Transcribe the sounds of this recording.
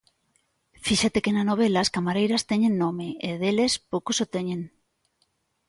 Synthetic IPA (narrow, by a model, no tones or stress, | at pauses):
fiʃat̪ekenanoβ̞elaːskamaɾejɾɐst̪eɲennomeeðelespowkosot̪eɲeŋ